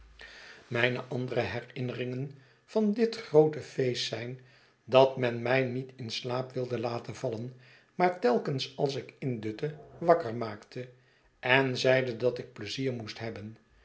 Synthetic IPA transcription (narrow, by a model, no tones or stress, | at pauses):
mɛjnəʔɑndərəɦɛrɪnərɪŋən | v̥ɑndɪtχrowtəfejstːɛjn | dɑtmɛnmɛjnitɪnslaːpʋɪlˠdəlaːtənvɑlən | maːɹtɛlˠkənsɑlˠs̬ɪkɪndɵtəʋɑkəɹmaːktʰə | ʔɛnzɛjdədɑtɪk̚pləziːɹmustɦɛbən